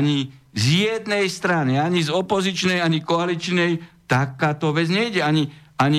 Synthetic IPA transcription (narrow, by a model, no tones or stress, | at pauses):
ɲizjɛd̪nɛjst̪ɾaniaɲizɔpɔzit͡ʃnɛjaɲikɔalit͡ʃnɛjt̪akaːt̪ɔʋɛd͡zɲɛɟɛaɲiaɲi